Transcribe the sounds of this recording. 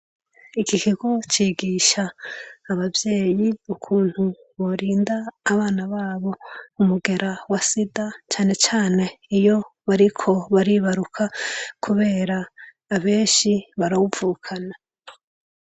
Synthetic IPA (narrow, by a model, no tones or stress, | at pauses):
ikikiɡo̞t͡ʃiːɡiːʃaːβavjeːjiukʰuːn̥hu | βo̞ɾiːndaːβaːnaβaːβo̞umuɡe̞ɾawasidat͡ʃaːnet͡ʃaːne̞ijo̞βaɾikʰo̞βaɾiːβaɾukʰakʰuβe̞ːɾaː | βe̞ːnʃiβaɾawuvuːkʰana